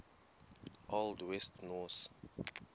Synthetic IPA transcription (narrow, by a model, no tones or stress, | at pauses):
ʔɔldwɛstnɔs